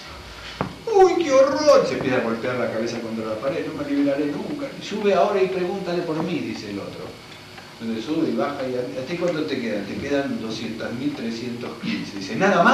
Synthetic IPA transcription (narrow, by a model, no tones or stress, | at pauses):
ojkeo̞roɾisempjesaβo̞lt̪eaɾlakaβesako̞nt̪ɾalapaɾeðnomeliβelaɾenuŋkasuβeao̞ɾaipɾeɣunt̪alepo̞ɾmiðiseːlo̞̰t̪ɾo̰ | onsuβeiβaxaiaat̪aikwand̪ot̪ekeðant̪ekeðand̪o̞sjent̪azmilt̪ɾesjent̪o̞hkinseðisenaðama